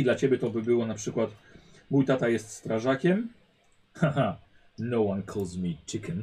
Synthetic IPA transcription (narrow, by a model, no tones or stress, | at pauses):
id̪lat͡ɕebʲjɛt̪ɔbɘbɘwɔnapʂɘkwat̪ | mujt̪at̪ajɛst̪st̪ɾaʐakʲɛm | xaɦa | nowãnkʰɔlzmʲit͡ʃikɛn